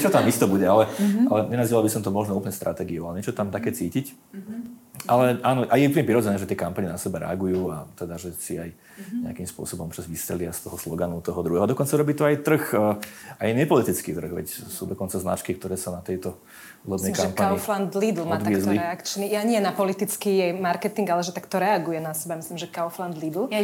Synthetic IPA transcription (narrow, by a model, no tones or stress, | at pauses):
ɛt͡ʃɔt̪amist̪ɛbuɟɛalɛalɛɲɛnaziʋalˠbisɔmt̪ɔmɔʒnɔuplɲɛst̪ɾat̪ɛːɡiualɛɲɛt͡ʃɔt̪amt̪akɛːt͡siːcic | ʔalɛʔaːnɔʔajɛupl̩ɲɛpɾiɾɔd͡zɛnɛːʒɛt̪ɪɛkampaɲɛnasɛbɛɾɛ̰aɡujuːa̰t̪ɛd̪aʒɛsiaj | ɲɛakimspʊɔ̰sɔbɔmɔpt͡ʃazʋist̪ɾɛ̰lɪast̪ɔɦɔslɔɡanut̪ɔɦɔd̪ɾuɦɛːɦɔad̪ɔkɔnt͡saɾɔbiːt̪ɔajt̪r̩x | ajɲɛpɔlit̪it͡skḭːt̪r̩ɣʋɛ̰csuːd̪ɔkɔnt͡sazna̰t͡ʃkik̚t̪ɔɾɛːsanat̪ɛjt̪ɔ | uːlɔb̪nɛjkampaaɲifland̪lid̪l̩maɔd̪ʋ̪aɪɛzliɾɛakt͡ʃnijaɲɪɛnapɔlit̪it͡skijɛjmaɾkɛt̪iŋɡalɛʒɛt̪akt̪ɔɾɛaɡujɛnasɛbamislimʒɛkaɔfland̪lid̪l̩